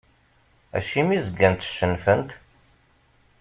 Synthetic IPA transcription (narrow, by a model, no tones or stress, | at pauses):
æ̰ʃimizəɡːænt̪ʃənfənt̪